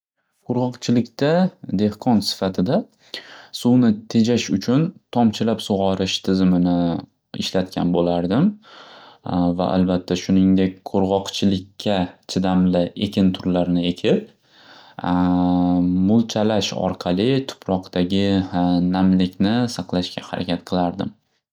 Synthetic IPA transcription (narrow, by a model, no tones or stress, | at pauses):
qʰoɾʁɒqt͡ʃʰɪlɪkʲt̪ad̪e̞hqʰɒnsɪ̥fat̪ʰɪd̪a | sʊwnɪt̪ʰe̞d͡ʒaʃʊt͡ʃʰʊnt̪ʰɒmt͡ʃʰɪlapsʊʁɒɾɪʃt̪ʰɪzɪmɪnɪ | ɪ̰ʃlat̪kʲa̰nbolaɾd̪ɪm | va̰ʔa̰lbat̪ʰːaʃʊnɪŋd̪e̞k̚ʲqʰoɾʁɒqt͡ʃʰɪlɪkʲʰːat͡ʃʰɪd̪amlɪekʲʰɪnt̪ʰʊɾlaɾnɪe̞kʲʰɪp̚ | mʊlˠt͡ʃʰalaʃɒ̰ɾqʰɑlˠɪt̪ʰʊ̥pʰɾɒqt̪ʰaɡʲɪnamlɪkʲnɪsɑqlˠaʃkʲahaɾʔa̰kʲʰat̪̚qʰɨlˠaɾd̪ɪm